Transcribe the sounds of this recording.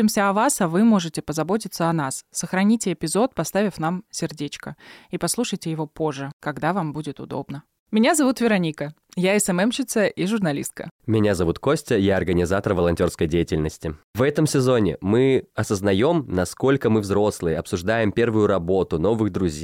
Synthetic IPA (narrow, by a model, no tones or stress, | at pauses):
ɪmsʲəɐvasɐvɨmo̞ʐɨtʲɪpəzɐbo̞t̬ʲɪt̪səɐnassəxɾɐnʲitʲɪːpʲɪzo̞t̪̚pɐst̪avʲɪfnamsʲɪrdʲet͡ɕkəipɐslˠuʂəjtʲɪjɪvo̞po̞ʐːɨkɐɡd̪avambudʲɪt̪ʊd̪o̞̰bnə | mʲɪnʲazɐvut̪vʲɪɾɐnʲikə | jaɛsɛmɛmɕɪt̪səʔiʐʊrnɐlʲḭst̪̚kə̰mʲɪnʲazɐvut̪kosʲtʲəjaɐrɡənʲɪzat̪əɾvəlˠɐnʲtʲo̞rskəjdʲejɪtʲɪlʲnəsʲtʲɪvɛt̪əmsʲɪzo̞nʲɪ̰mɨɐsəznɐjo̞mnɐsko̞lʲkəmɨvzɾo̞slˠɨjəɐpsʊʐd̪ajɪmpʲe̞rvʊjʊɾɐbo̞t̪ʊno̞vɨɣd̪ɾʊzʲe